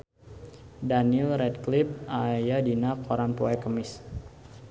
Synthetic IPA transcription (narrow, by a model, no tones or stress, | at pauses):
danilɾɛt̚klɪp̚ajadinakʰoɾanpuakəmɪs